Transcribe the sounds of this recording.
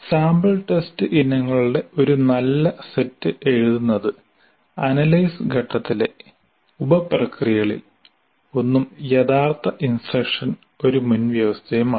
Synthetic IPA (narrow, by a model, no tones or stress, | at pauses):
saːmbɐlʈestɨʔinːɐŋːɐɭuɽe̞o̞ɾunɐlːɐsetːɨʔe̞ɻuðunːɐðɨ | ɐnɐlɐjsɨɡʱɐʈːɐt̪ːile̞ | ubɐprɐkrijɐɐɭḭl | o̞nːumjeðaːrt̪ɐʔinsrɐkʂɐn | o̞ɾumunʋjɐʋɐst̪ʰejumaː